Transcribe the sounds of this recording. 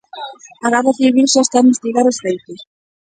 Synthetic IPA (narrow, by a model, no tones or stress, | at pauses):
aɣarðaθiβilsɔest̪ambest̪iɣaɾosθejt̪ʊs